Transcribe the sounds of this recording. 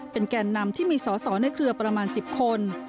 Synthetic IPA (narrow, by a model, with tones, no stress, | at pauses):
pe˧nkɛː˧nːa˧mt̪ʰiː˥˩miː˧sɔː˩˦sɔː˩˦na˧jkʰɾɯ˧ɐpɾa˧maː˧nsi˨˩p̚kʰo˧n